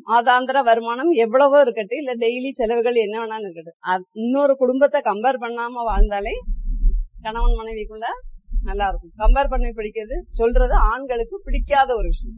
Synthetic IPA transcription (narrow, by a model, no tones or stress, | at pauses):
aːðaːnd̪ɐɾaʋɐɾɯmaːnɐmɛʋːɐɭɐʋoːɾɯkːɐʈːɯɪlːɐɖɛjlisɛlɐʋɯɣɐɭɛnːɐʋɐnːaːnɪɾɯkːɐɽɯɐɪnːoːɾɯkʊɽʊmbɐt̪ːɐkɐmbeːɾpɐɳːaːmɐʋaːɻnd̪aːleː | kɐɳɐʋɐnmɐnɐɪʋɪkːɯɭːɐnɐlːaːɪɾɯkːɯmkɐmbeːɾpɐɳːɐpɪɽɪkʲːɪɾɐðɯsɔlrɐðɯaːɳɡɐɭɯkːɯpɪɽɪkʲːaːðɐɔɾɯʋɪʂɐjɐ̃